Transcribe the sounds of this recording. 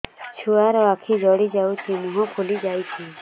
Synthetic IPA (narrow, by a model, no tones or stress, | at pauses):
t͡ʃʰuaɾɔakʰid͡ʒɔɽid͡ʒawt̪imuɦɔpʰulid͡ʒajt͡ʃʰi